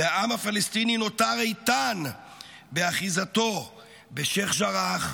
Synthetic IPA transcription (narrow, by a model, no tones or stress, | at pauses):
eaʔamafalest̪inino̞taʁejt̪an | beaχizat̪o̞ | beʃeχʃaʁaχ